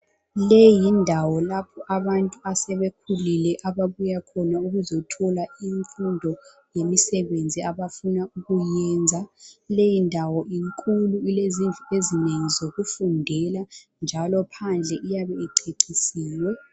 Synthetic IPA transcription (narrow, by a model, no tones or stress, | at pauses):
lejindʱawɔlapʰɔʔaβantʼuasɛβekʰulilɛʔaβaβujakʰɔnauɣuzɔtʰɔlaiɱfundʱɔ | jemisɛβend͡zʱiaβafunauɣujɛːnd͡zʱalejindʱawɔʔiŋkʼuluileziɱvʱaezineŋizoɣufundʱɛla | nd͡ʒʱalɔpʰand͡ɮʱɛʔijaβɛiǀʰeǀisiːwɛ